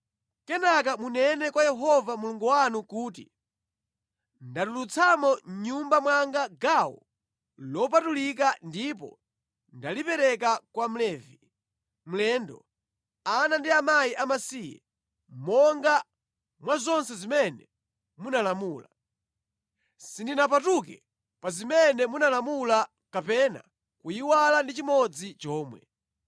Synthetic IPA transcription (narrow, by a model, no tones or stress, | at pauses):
kɛnak̬amunɛnɛkwajɛɦɔvamuluŋɡuwanukuːtḭ | ndatulut͡sʰamɔɲumbamwaŋɡaɡawɔ̰ | lɔp̬atulik̬andip̬ɔ̰ | ndalipɛɾɛk̬akwam̩lɛːvi | m̩lɛːndɔ | anandiamajiʔamasijɛ̰ | mɔŋɡa | mwazɔnsɛzimɛnɛ | munalamuːla | sindinap̬atukɛ̰ | pazimɛnɛmunalamula | kapɛna̰ | kujiwalandit͡ʃimɔd͡zit͡ʃɔːmwɛ̰